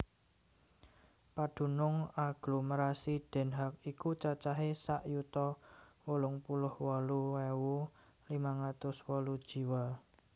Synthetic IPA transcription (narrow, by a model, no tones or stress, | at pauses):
pad̪̥ṳnʊŋaɡ̥lo̤məɾasiɖ̪̥ɛ̤nɦak̚ikut͡ʃat͡ʃaɦesaʔjut̪ɔwolʊŋpulʊhwɔluwɛwu | limaŋat̪ʊswɔlud̥ʒ̥i̤wa